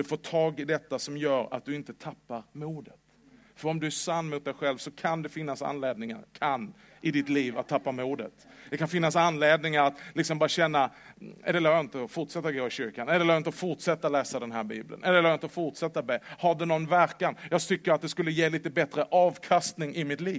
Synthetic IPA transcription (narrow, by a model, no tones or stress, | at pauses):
d̪ɵfoːʈʰɑːɡɪd̪ɛt̪ːasɔmjœːɾa̰t̪̚d̪ɵɪnt̪ət̪ʰapːaɾmuːd̪ət̪ | fœɾɔmd̪ɵæʂanːmʊt̪̚d̪ɛjɧɛlvsɔkʰand̪ɛfɪnːasa̰nleːd̪̚nɪŋa̰ɾkʰanː | ʔɪd̪ɪt̪liːvat̪ʰːapːamuːd̪ə̰t̪d̪̥ɛkanfɪnːasanːleːd̪nɪŋaɾat̪lɪksɔmbɑːɾaɕɛnːaɛ̰ɪd̪ɛlaːɾjɑɪnt̪əfʊʈʂɛt̪ːaɡoːɪɕʏɾkanɛd̪ɛlːjɪnt̪əfʊʈʂɛt̪ːalɛːsad̪ɛnɦæːɾbḭːblə̰nʔɛlːəlːjɪnt̪əfʊʈsɛt̪ːabeːhaɖɛnɔnvæɾkanjɑːɡ̚t̪ʰʏkːəɾat̪̚d̪ɛskɵlːəjeːliːt̪əbɛt̪ɾəʔɑːvkʰast̪nɪŋɪmɪt̪liːv